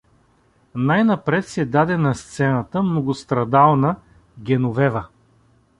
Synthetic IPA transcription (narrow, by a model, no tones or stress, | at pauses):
najnɐpɾɛt̪sɛd̪ad̪ɛnɐst̪sɛnət̪əmnoɡʊst̪ɾɐd̪alˠnə | ɡʲɛnovɛvə